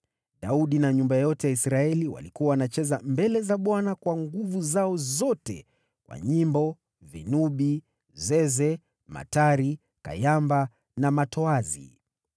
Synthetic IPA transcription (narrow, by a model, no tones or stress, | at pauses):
ɗauɗinaɲumbajɔtɛjaisɾaɛliwa̰likuawanat͡ʃɛzambɛlɛzaɓwanakwaŋɡuvuzaɔzɔtɛ̰ | kwa̰ɲimbɔ | vḭnuɓi | zɛzɛ | ma̰taɾi | ka̰jamba | namatɔazḭ